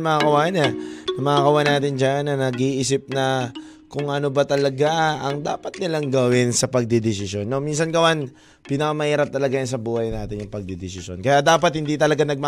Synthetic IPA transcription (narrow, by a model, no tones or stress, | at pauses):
mɐŋakɐwaːnɐnɐmɐakɐwanaːt̪ɪnd͡ʒanːɐnɐɡiʔisɪp̚nɐ | kʊŋʔɐnobɐt̪ɐlɐɡaɐŋd̪a̰ːpɐt̪̚nɪlaŋɡɐwɪnsɐpɐɡ̚d̪id̪ɪsɪso̞nːomins̬ɐnɡɐwan | pinɐkɐmɐhiːɾɐp̚t̪ɐlɐɡajʊns̬ɐbuːhɐjnaːt̪ɪnjʊŋpɐɡ̚d̪id̪ɪsɪsonkɐjad̪aːpɐt̪̚hɪnd̪it̪ɐlɐɡanɐɡ̚mɐ